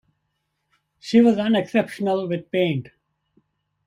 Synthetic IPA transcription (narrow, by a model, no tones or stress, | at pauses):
ʃiwʌzʌ̃nɛksɛpʃənəlwɪd̪̚pẽɪ̃nɖ